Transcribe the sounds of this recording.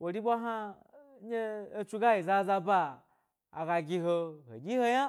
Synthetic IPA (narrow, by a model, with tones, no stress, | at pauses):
wo˨ɾi˦bʷa˦ɦa˦ | ɲe˦e˦˧t͡ʃu˧ɡa˦ji˨za˧za˧ba̰ː˧˨ | ɡa˧ɡʲi˧ɦo˧ho̰˨ɡʲi˦ho˧ɲa˦